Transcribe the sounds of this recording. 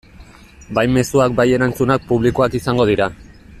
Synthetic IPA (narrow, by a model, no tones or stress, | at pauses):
bajme̞suak̚baje̞ɾant͡sunak̚puβlikoakisaŋɡo̞ð̞iɾa